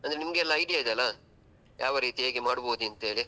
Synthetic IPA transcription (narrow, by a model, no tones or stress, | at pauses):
ɐnd̪ɾenimɐɡeɛlːɐːjɖijaid̪eɐlːɐ | jʔaːʋɐɾiːt̪ieːɡemaːɽuboːd̪uɐnt̪e̞ːɭi